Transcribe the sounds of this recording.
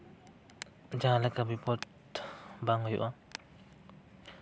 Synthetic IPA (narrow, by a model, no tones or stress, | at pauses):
d͡ʒalɛkabipɔt | baŋhɔjṵʔa